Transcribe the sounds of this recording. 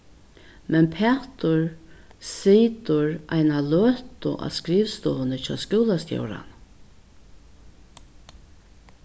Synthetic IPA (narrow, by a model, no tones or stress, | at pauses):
mɛnpʰɛːht̪ʊɹsiːt̪ʊɾajnalœːt̪ʊ̰ʔa̰skɾiːvst̪ɔːðnət͡ɕɔ̰ːskɪwlast̪jɔ̰wɾa̰n